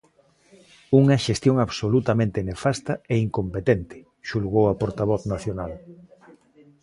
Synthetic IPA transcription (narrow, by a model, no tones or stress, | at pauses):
uŋɐʃest̪joŋaβsolut̪amẽnt̪enefast̪ɐeiŋkompet̪ent̪ɪ̥ | ʃulɣowɐpoɾt̪aβ̞ɔθnaθjonal